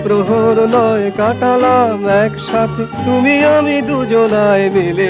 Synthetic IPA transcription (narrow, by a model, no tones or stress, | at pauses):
pɾoɦoɾnɔjkaʈalamɛkʃat̪ʰet̪umijamid̪ud͡ʒonaːemile